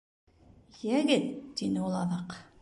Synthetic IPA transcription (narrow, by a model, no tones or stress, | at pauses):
jæɡɘt̪d̪inɘulˠɑðɑq